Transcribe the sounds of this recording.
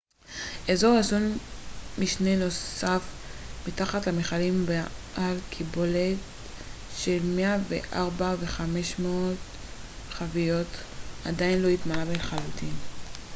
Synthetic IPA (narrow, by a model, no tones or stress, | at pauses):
ʔezo̞ʁazonmiʃneno̞ssafmitaχatlameχalimbeʔalkʰibolet | ʃelme̞avḛʔaʁbave̞χame̞ʃmoot | χavijo̞t | adainlo̞itmalabelχalutʰin